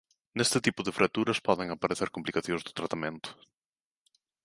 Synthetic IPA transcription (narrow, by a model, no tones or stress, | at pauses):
nest̪ɪt̪ipʊðɪfɾʔak̚t̪uɾɐspɔðeŋapaɾeθeɾkomplikaθjõŋ̃zðʊt̪ɾat̪amẽnt̪ʊ̥